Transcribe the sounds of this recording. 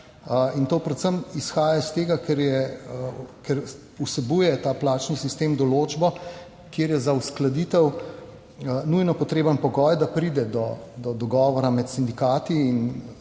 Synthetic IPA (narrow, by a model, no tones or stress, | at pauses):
əint̪oːpɾɛt̪səmisxaːjast̪eːɡakɛɾjɛ | kɛɾ | usɛbujɛt̪aːplaːt͡ʃnisist̪eːmd̪ɔloːd͡ʒbɔ | kjeːɾjɛzausklad̪it̪ɛw | nujnɔpɔt̪ɾeːbənpɔɡɔjd̪apɾid̪ɛd̪ɔd̪ɔd̪ɔɡɔːʋɔɾamɛt̪sind̪ikaːt̪iːn